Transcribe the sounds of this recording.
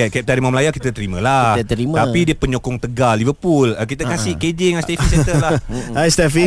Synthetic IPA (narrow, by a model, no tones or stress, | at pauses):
akɛp̚t̪aɾimamlajakit̪at̪əɾimalat̪əɾimt̪apidiəpəɲokɔŋt̪əɡalːivəpulək̬it̪əkasɪhked͡ʒiŋast̪efisɛt̪əlaajst̪ɛfi